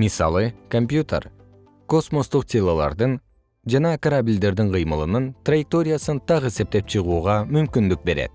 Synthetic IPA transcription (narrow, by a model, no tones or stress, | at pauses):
misɑ̰lˠɯko̞mpʲjut̪ḛr | ko̞smo̞st̪uq̚t̪ʲʰelˠolˠɑ̰ɾd̪ɯn | d͡ʒɑnɑkɐɾabʲilʲd̪e̞ɾd̪iɴqʰɯjmɯlˠɯnɯnt̪rajɪk̚t̪o̞ɾʲɪjasɯnt̪ʰɑqe̞se̞p̚t̪e̞p̚t͡ʃʰɯʁuːʁɑmymkynd̪yk̚be̞ɾe̞̰t̪̚